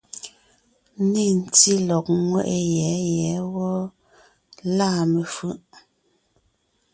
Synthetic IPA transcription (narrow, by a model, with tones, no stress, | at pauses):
i˦˨n̩˨ti˦lɔ˨k̚ŋwɛ̰˦˨ʔe˨jɛ˨˦jɛ˨˦wɔ˦ | laː˦˨me˨fʉ˦˨ʔ